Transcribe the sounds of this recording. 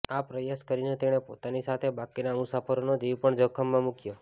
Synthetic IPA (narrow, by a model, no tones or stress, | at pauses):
apɾəjaskəɾinet̪eɽ̃epo̰t̪anisat̪ʰebakinamʊsafəɾonod͡ʒiʋpəɳd͡ʒəkʰəmːãmukjo